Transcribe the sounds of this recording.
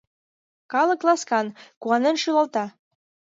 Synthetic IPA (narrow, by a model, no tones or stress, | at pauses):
kɑlˠɤ̆klˠɑskɑnkuɑnenʃylɑlˠt̪ɑ